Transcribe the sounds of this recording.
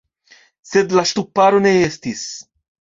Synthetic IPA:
sed̪laʃt̪upːaɾoneest̪is

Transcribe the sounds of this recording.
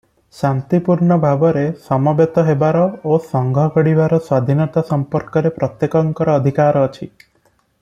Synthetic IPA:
sant̪ipuɾɳɔbʱabɔɾesɔmɔbjet̪ɔɦebaɾɔosɔŋɡʱɔɡɔɽibaɾɔswad̪ʱinɔt̪asɔmpɔɾkɔɾepɾɔt̪jekɔŋkɔɾɔːd̪ʱikaɾɔːt͡ʃʰi

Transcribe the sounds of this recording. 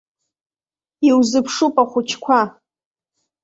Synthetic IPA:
iwzɨpʰʂupʼaχʷʊt͡ʃʰkʷʰa

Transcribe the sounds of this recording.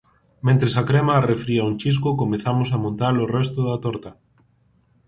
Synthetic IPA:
mẽnt̪ɾesakɾemaːrefɾiauŋt͡ʃis̬kʊkomeθamosamõnt̪alorɛst̪ʊðat̪ɔɾt̪a

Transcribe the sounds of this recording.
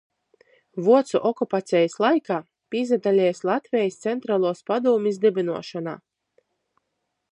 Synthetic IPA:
vuɔt̪sṵʔɔkupat̪sʲɛjaslˠajkaː | pʲizad̪alʲɛːjslˠat̪vʲɛjist̪sɛnt̪ɾaːlˠuɔspad̪uɔmʲizd̪ʲɛbʲinuɔʃana̰ː

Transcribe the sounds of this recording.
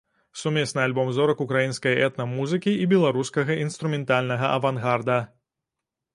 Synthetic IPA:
sumʲɛsnɨalʲbɔmzɔɾɐkukɾajinskɐjɛt̪nɐmuzɨkʲiibʲɛlˠaɾuskɐɣɐʔinst̪ɾumʲɛnt̪alʲnɐɣɐʔɐvanɣard̪ɐ

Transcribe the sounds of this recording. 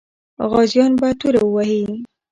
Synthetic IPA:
ɣɑzjɑnbat̪uɾawəwahi

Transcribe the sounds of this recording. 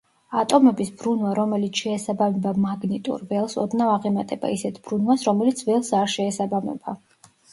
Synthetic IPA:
at̪ʼɔmɛbisbɾunwaɾɔmɛlit̪ʰʃɛːsabamɛbamaɡnit̪ʼṵɾvɛlˠsɔ̰d̪navaʁɛmat̪ʼɛba̰isɛt̪ʰb̥ɾunwasɾɔmɛlit̪sʰvɛlˠsaɾʃɛːsabamɛ̰ba

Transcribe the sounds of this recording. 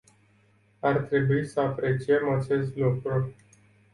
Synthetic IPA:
art̪ɾe̞buisəapɾe̞t͡ʃije̞mat͡ʃe̞st̪lukɾu

